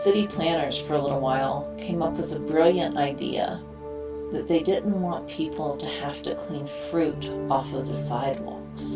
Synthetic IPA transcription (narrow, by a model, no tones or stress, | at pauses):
sɪɾipʰl̥æ̃ɾ̃ə˞z̥fə˞əlɪɾl̩ˠwaɪlˠkʰẽɪ̃mʌpwəðɨbɹɪlˠjɨ̃ntaɪdḭɨ̰ | ðɨt̪̚ðeɪdɪdⁿn̩ʔwɑ̃npʰipʰl̩ˠtʰɨhæftɨkʰl̥ĩnfɹʉɾɔfʌvðɨsaɪd̚wɑ̰̃ks